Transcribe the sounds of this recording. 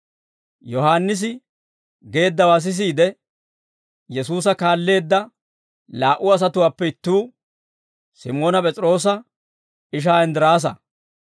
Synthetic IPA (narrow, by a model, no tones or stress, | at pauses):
jɔɦaːnːɪs̬ɪ | ɡe̞ːd̪ːɐwaːs̬ɪs̬iːd̪ɛ | jɛsuːs̬ɐkaːlːe̞ːd̪ːɐ | laːʔʊɐs̬ɐt̪ʊwaːpːɛɪt̪ːuː | sɪ̰mo̞ːnɐpʼɛt͡sʼɾo̞ːs̬ɐ | ɪʃ̬aːɛnd̪ɪɾaːs̬ɐ̰